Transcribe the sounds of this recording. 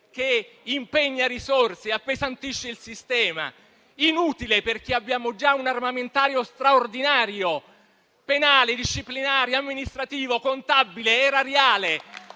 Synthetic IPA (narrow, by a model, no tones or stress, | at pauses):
k̟eimpeɲːaɾisorseapːezant̪iʃːeilsist̪ɛːma̰ | inuːt̪ileperk̟eabːjaːmod͡ʒaunarmament̪aːɾjost̪ɾaord̪inaːɾjo | penaːled̪iʃːiplinaːɾjoamːinist̪ɾat̪iːvokont̪abːileɛɾaɾeaːle